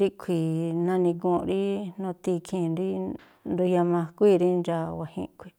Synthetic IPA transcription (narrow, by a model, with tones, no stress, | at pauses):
ɾi˦kʷʰi˨nã˧nĩ˧kũ˧ɾi˦nõ˧t̪i˧kʰĩ˧nɾi˦ | nɾu˧ja˧mã˧kʷi˦˧ɾi˦nd͡ʒa˧wa˨hḭ̃˧kʰʷi̥˧˨